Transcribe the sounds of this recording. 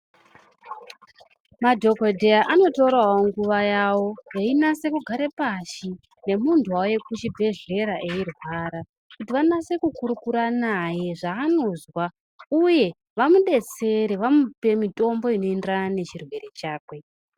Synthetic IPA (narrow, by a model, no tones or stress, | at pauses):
madʱo̞kodʱe̞aʔano̞to̞ɾawoŋɡuʋajawo̞je̞inase̞kuɡʱaɾepaʃi | ne̞muntʰuwawoje̞kut͡ʃibʱe̞ɮe̞ɾaʔeirwaɾa | kutiʋanase̞kukuɾukuɾanaje̞ʐaːno̞zwa | uje̞ | ʋamuɗe̞t͡se̞ɾeʋamupe̞mito̞mbo̞ino̞endranane̞t͡ʃirwe̞ɾet͡ʃaːkwe̞